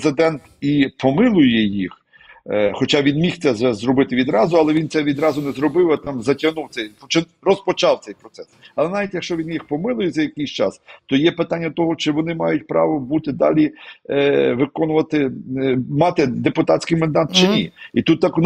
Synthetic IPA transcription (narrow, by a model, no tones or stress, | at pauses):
zɪd̪ɛnt̪ipɔmɪlˠʊjɛjix | xɔt͡ʃɑʋʲinmʲixt̪sɛzɛzɾɔbɪt̪ɪʋʲid̪ɾɑzʊɐlˠɛʋʲint̪sɛʋʲid̪ɾɑzʊnɛzɾɔbɪwɐt̪ɑmzɐtʲɐnuwt̪ɛjpɔt͡ʃɪ | rɔspɔt͡ʃɑwt̪sɛjpɾɔt̪sɛsɐlˠɛnɑʋʲitʲjɐkʃt͡ʃɔʋʲinjixpɔmɪlˠʊjɛzɐjɐkɪjsʲt͡ʃɑ̰st̪ɔjɛpɪt̪anʲːɐt̪ɔɦɔt͡ʃɪʋɔnɪmɑjʊtʲpɾɑ̰ʋɔbut̪ɪd̪ɑ̰lʲi | ʋɪkɔnʊʋɐt̪ɪ | mɑt̪ɪd̪epʊt̪ɑtʲsʲkɪjmɐnd̪ɑt̪t͡ʃɪnʲḭit̪ut̪ːɑkn